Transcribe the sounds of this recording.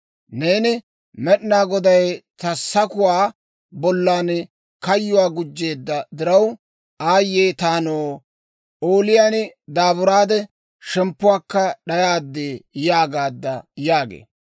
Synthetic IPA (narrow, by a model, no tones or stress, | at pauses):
ne̞ːnɪ | mɛɗnaːɡɔd̪ɐjt̪ɐsːɐkʊwaː | bɔlːaːn | kɐjːʊwaːɡʊd͡ʒːe̞ːd̪ːɐd̪ɪɾɐw | aːjːeːt̪aːnoː | oːlɪjaːnɪd̪aːbʊɾaːd̪ɛ | ʃɛmpːʊwaːkːɐɗɐjaːd̪ːeːjaːɡaːd̪ːɐjaːɡḛː